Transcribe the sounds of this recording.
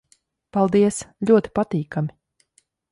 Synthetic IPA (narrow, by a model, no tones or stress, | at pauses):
palˠd̪iɛsʎʲuɔt̪i̥pat̪iːkamʲi